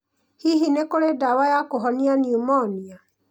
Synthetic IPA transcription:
hiɦinekoɾedawajakoɦɔnianiumɔnia

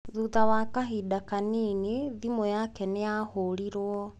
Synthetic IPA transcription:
ðuðawakaɦidakanineðimojakɛnejahoɾiɾwɔ

